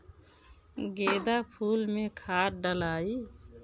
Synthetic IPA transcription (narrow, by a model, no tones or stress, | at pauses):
ɡed̪apʰulmekʰaʈ̚ɖəlaːi